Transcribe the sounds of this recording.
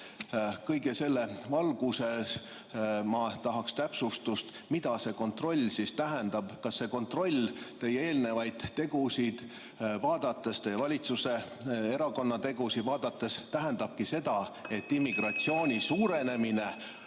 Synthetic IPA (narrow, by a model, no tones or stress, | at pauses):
kɤjɡe̞se̞lːevɑlɡ̥use̞s | mɑt̪ɑɦɑkst̪æpsust̪ust̪mid̪̥ɑse̞ko̞nt̪ˑro̞lʲːsist̪æɦend̪̥ɑb̥kɑsːe̞ko̞nt̪ro̞lʲt̪e̞jːee̞ːlne̞vɑjd̪̥t̪ːe̞ɡ̥usid̪̥ | vɑːd̪̥ɑt̪ːˑest̪e̞jevɑlʲit̪suse̞ | eɾɑko̞nːɑt̪e̞ɡusid̪vɑːd̪̥ɑt̪ːˑest̪æɦend̪̥ɑb̥̚kise̞d̪̥ɑe̞t̪ːimːiɡ̥rɑt̪sio̞ːnʲisuːɾe̞ne̞mine